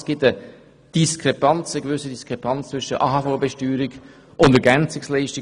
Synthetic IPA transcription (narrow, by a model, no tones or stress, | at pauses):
sɡ̥ɪtə | d̥iskʰʁepɑnt͡səɡ̥vʏsədiskʁ̥epʰɑnt͡st͡svʏʃəʔɑ̰ɦɑfolbɛʃtyːɾɪɡ̥ | ʔʊndəɾɡɛnt͡sɪkslɛɪʃtɪ